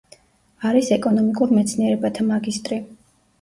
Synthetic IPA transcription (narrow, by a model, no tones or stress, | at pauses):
aɾisɛkʼɔnɔmikʼuɾmɛt̪sʰniɛɾɛbat̪ʰamaɡist̪ʼɾi